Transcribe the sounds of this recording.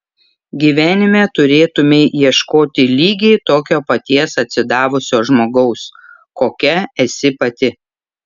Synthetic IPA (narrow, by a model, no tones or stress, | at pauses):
ɡʲiːʋʲæːnʲɪmʲɛt̪ʊɾʲeːt̪ʊmʲeːiɛʃkoːt̪ʲɪlʲiːɡʲɛɪt̪oːkʲoːpɐt̪ʲiɛsɐt̪ʲsʲɪd̪ɑːʋʊsʲoːʒmoːɡɐʊs | koːkʲɛɛsʲɪpɐt̪ʲɪ